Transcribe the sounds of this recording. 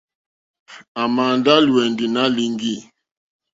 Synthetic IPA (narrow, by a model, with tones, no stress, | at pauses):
a˨ma˨nda˦lu˨ɛ˨ndi˨na˦li˦ŋɡi˦